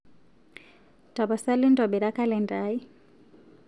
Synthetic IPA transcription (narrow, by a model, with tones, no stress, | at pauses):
ta˨ba˨sa˦li˦ndɔ˨ɓi˨ɾa˦ka˦lɛ˨nda˦i˦